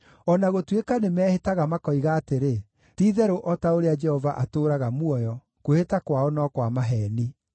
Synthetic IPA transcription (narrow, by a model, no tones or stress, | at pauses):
ɔnaɣotwekanemɛːhetaɣamakɔiɣaːteɾe | tiːðɛɾoʔɔtaoɾead͡ʒɛhɔvaʔatoːɾaɣamwɔjɔ | kohetakwaɔnɔkwamaɦɛːni